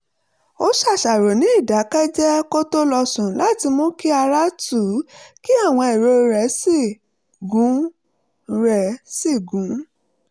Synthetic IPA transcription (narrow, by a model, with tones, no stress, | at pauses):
o˦ʃa˦˨ʃa˨ɾo˨nĩ˨˦i˦˨da˨˦kɛ˦d͡ʒɛ˦ko˦to˦lɔ˧sũ˨la˦˨ti˧mɔ̃˦ki˦a˧ɾa˦tu˦˨˦ki˦a˦˨w̃ɔ̃˧e˨ɾo˧ɾɛ˨˦si˦˨ | ɡũ˨˦ | ɾɛ˨si˦˨ɡũ˨˦